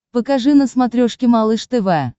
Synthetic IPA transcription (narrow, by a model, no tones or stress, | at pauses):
pəkaʐɨnəsmat̪ɾʲoʂkʲɪmalˠɨʂt̪ɨvɛ